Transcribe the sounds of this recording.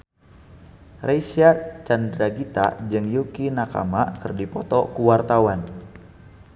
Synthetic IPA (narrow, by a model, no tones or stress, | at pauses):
rajsiat͡ʃandɾaɡit̪a̰d͡ʒɨŋjukinaka̰makɨrdipɔt̪ɔkuwart̪awan